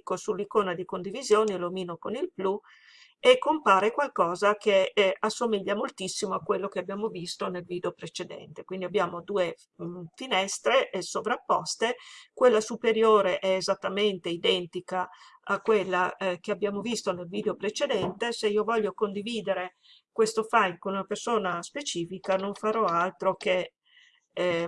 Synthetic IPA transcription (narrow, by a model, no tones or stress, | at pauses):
kosulːikoːnad̪ikond̪ivizjoːnilomiːnokonilplu | ekːompaːɾekwalkɔːzakeasːomiʎːamolt̪isːimoakːwelːokeabjaːmovist̪onelviːd̪eopɾet͡ʃed̪ɛ̰nt̪e̥kwind̪iabːjaːmod̪uːe | finɛst̪ɾeʔsovɾapːɔ̰st̪ekwelːasupeɾjoːɾeʔɛːzat̪ːament̪eid̪ɛnt̪ikaakːwelːakeabːjaːmovist̪onelviːd̪eopɾet͡ʃed̪ɛnt̪eseiːovɔʎːokond̪iviːd̪eɾe | kwest̪ofajmkonunapersoːnaspet͡ʃiːfikanoɱfaɾɔalt̪ɾoke